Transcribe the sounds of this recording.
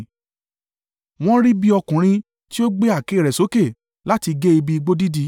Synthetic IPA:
w̃ɔ̃˦ɾi˦bi˦ɔ˧kũ˨ɾ̃ĩ˧ | ti˦o˦ɡ͡be˦a˦˨ke˨˦˨ɾɛ˨so˨˦ke˦˨ | la˦ti˧ɡe˦i˧bi˦˧i˧ɡ͡bo˦di˦di˧˦

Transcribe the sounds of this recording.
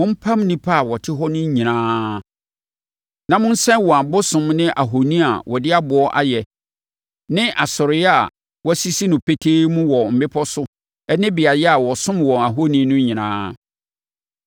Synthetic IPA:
ʊ̃˦m̩˦pʰã˦mnĩ˦pʰa˦a˨wɔ˨tʰɪ˦ɦɔ˦nʊ̃˦ɲĩ˨nãː˦ | nã˨mʊ̃˦n̩˦sɛ̃˦nwɔ˨a˨bʊ˦sʊ̃˨mnɪ̃˦ʔa˨ɦo˨nĩ˦a̰˨wɔ˨dɪ˦a˦bʊ˨ɔ˦ʔa̰˦jɛ˨ | nɪ̃˦ʔa˨sʊ˨ɾɪ˨˦jɛ˦a˨ | wɔ˦si˦si˦nʊ̃˨pʰe˦tʰe˦mũ˦wɔ˨m̩˨bɪ˦pʰɔ˦sʊ˦ | ɛ˦nɪ̃˦bɪ˨a˨jɛ˦a˨wɔ˨sʊ̃˦mwɔ˨a˨ɦo˦nĩ˦nʊ̃˦ɲĩ˨nã̰ː˦

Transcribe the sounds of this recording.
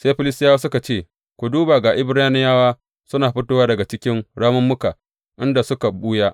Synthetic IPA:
seː˦ɸɪ˦lɪ˦stɪ˦jaː˦waː˦sʊ˦ka˨t͡ʃeː˦˨ | kʷu˨duː˦baː˨ɡa˨ʔɪ˦bɽaː˦nɪ˦jaː˦waː˦ | sʊ˦naː˨ɸɪ˦toː˦waː˦dɐ˨ɡa˨t͡ʃɪ˦kʲɪ˦nɽaː˦mʊ˦mːʊ˦ka˨ | ʔɪ˦nda˨sʊ˦ka˨buː˦ja˦ʔ

